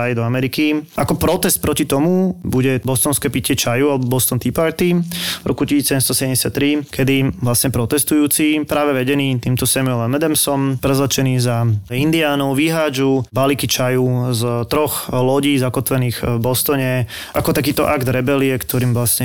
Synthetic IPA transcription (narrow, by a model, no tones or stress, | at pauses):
ajd̪ɔamɛɾikiʔakɔpɾɔt̪ɛst̪̚pɾɔcit̪ɔmubuɟɛbɔst̪ɔnskɛːpicɪɛt͡ʃajualɛbɔbɔst̪ɔnt̪ipaɾt̪ivɾʔɔkucisiːt͡ssɛɟɛmst̪ɔsɛɛɲɟɛsjat̪ːɾikʰɛd̪iʋlasɲɛpɾɔt̪ɛst̪ujuːt͡sipɾaːʋɛʋɛɟɛniːt̪iːmt̪ɔsɛmuɛlɛmɛd̪ɛmsɔmpɾɛzlat͡ʃɛniːzaind̪iaːnɔʊʋiɦaːd͡ʒubalikit͡ʃajuzt̪ɾɔxlɔɟiːzakɔt̪ʋɛniːɣbɔst̪ɔɲɛ | ʔakɔt̪akiːt̪ɔ̰ʔaɡd̪ɾɛbɛliɛkt̪ʰɔɾiːmʋlasɲɛ